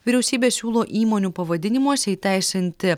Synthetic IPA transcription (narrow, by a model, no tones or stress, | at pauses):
ʋʲiɾʲɛʊsʲiːbʲeːsʲuːlˠoːʔiːmoːnʲuːpɐʋɐd̪ʲɪnʲɪmuɔsʲɛiːt̪ʲɛˑɪsʲɪnʲt̪ʲɪ